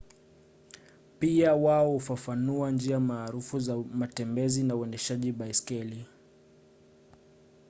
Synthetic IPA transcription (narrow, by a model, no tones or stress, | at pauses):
piawaɔhufafanuand͡ʒiamaːɾufuzamatɛmbɛzinauɛndɛʃaʄiɓaiskɛli